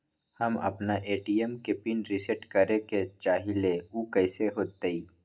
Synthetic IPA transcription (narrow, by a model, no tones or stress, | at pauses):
hɐmɐ̰pnaʔeːʈiemkepinɾiseʈkɐɾeket͡ʃaːɦileuːkɐɪseɦoːt̪eiː